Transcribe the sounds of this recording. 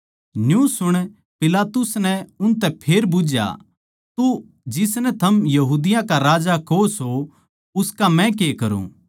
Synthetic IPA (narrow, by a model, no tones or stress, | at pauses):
njũsʊɽ̃ | pɪlaːt̪ʊsnɛʊnt̪ɛpʰeːɾbʊd͡ʒja̰ | t̪u | d͡ʒɪsnɛt̪ʰɐmjɐɦuːd̪ɪjãkaɾaːd͡ʒakoso | ʊskamɛ̃k̬ekɐɾṵ̃